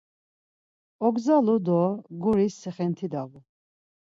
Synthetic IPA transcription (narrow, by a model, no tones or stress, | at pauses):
ɔɡzalud̪ɔɡuɾisːɛχɛnt̪ʰid̪aɣu